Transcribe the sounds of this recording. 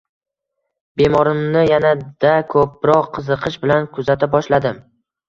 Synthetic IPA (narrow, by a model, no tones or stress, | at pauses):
be̞mɒɾɪmnɪjanad̪̥akʰɵp̚ɾɒqʰːɨzɨqʰɨʃbɪlankʰʊzat̪ʰabɒʃlad̪ɪm